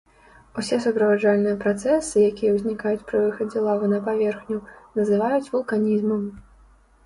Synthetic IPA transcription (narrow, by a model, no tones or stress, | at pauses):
usʲɛs̬upɾɐvad͡ʐalʲnɨjɐpɾat̪sɛsɨjakʲijɛwzʲnʲikajut͡sʲpɾɨvɨxɐd͡zʲɛlˠavɨnɐpavʲɛrxnʲunɐzɨvajut͡sʲvulˠkanʲizmɐm